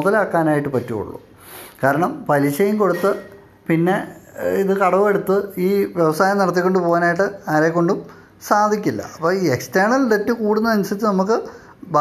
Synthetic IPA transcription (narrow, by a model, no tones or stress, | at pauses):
ðɐlaːkːaːnaːjiʈːɨpɐtːuo̰ɭːṵ | kaːɾɐɳɐmpɐliɕɐjiŋko̞ɽut̪ːɨ | pinːe̞iðɨkɐɽɐʋe̞ɽut̪ːɨiːʋjeʋɐsaːjɐmniɽɐt̪̬ːikʲːo̞ɳɖupo̞ːɣanaːjiʈːɨaːɾeːkːo̞ɳɖum | saːd̪ʱikʲːilːɐ̰ɐpːoːiːeksteːrɳɐlɖetːɨkuːɽunːɐɐnsɐt͡ɕːɨnɐmukːɨ | bʱa